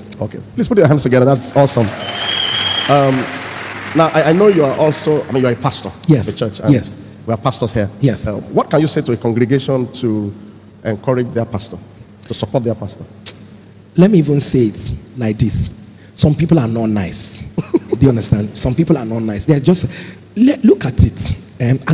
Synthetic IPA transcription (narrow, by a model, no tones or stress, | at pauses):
okʰḛplisputjɔhæ̃ndstʰuɡɛðəðatsɔsɔ̃m | ʌm | naʊʔaɪaɪnojuaʔɔlˠsoaɪmĩnjuaəpʰastə˞jɛsət͡ʃʰɜt͡ʃãjɛ | wiapʰastəshijɛsʌwɔt̚kãnjusetuəkʰɔ̃ŋɡɹɛɡeʃɔ̃ntʰu | ʔɛ̃nkʰɜɹɪd͡ʒðəpʰastə | tusəpɔt̚ðɛpʰastə | lɛt̚miivə̃nseɪɪtlaɪk̚d̪is | sɔ̃mpipəl̩ˠanɔtnaɪs | dujʌ̃ndəstãndsɔ̃mpipl̩ˠanɔtⁿnaɪsðead͡ʒʌst | lɛlukatɪt | ɛ̃ma